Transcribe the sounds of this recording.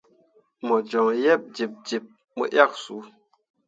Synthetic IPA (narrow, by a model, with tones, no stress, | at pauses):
mɔ˨d͡ʒɔ˨ŋjɛ˦˨p̚d͡ʒi˨p̚d͡ʒi˨p̚ | mo̰˨ʔja˦˨k̚su˨˦